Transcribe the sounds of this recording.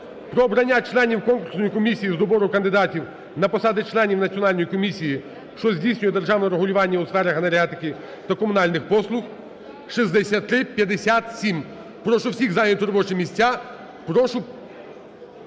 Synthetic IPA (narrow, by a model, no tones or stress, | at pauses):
pɾɔːbɾɐnʲːat͡ʃlˠɛnʲiwkɔnkʊrsnɔjikɔmʲisʲijizd̪ɔbɔɾʊkɐnd̪ɪd̪ɑtʲiw | nɐpɔsɑd̪ɪt͡ʃlˠɛnʲiwnɐt͡sʲiɔnɑlʲnɔjikɔmʲisʲiji | ʃt͡ʃɔzʲdʲijsʲnʲʊjɛd̪erʒɑwnɛɾeɦʊlʲʊʋɑnʲːɐʊsfɛɾɐxɦɐneɾʲat̪ɪkɪ | t̪ɐkɔmʊnɑlʲnɪxpɔslˠʊx | ʃizd̪esʲat̪ːɾɪpʲjɐd̪esʲat̪sʲim | pɾɔʃʊwsʲiɣzanʲɐt̪ʲʊɾɔbɔt͡ʃɪmʲisʲt͡sʲːa | pɾɔʃʊ